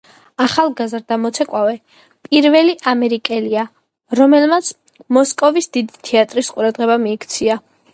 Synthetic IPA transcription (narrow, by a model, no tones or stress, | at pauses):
aχalˠɡazɾd̪amɔt̪sʰɛkʼwavɛ | pʼiɾvɛliʔamɛɾikʼɛlia | ɾɔmɛlmat̪sʰ | mɔskʼɔvisd̪id̪it̪ʰɛat̪ʼɾisqʼuɾad̪ʁɛbamiːkʰt̪sʰia